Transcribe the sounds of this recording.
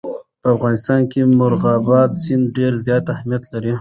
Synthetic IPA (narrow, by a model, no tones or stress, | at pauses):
pəafɣɑːnɪst̪ɑːnkemʊɾɣɑːbɑd̪sɪnd̪ɖeɾzjɑːt̪ahmijat̪laɾi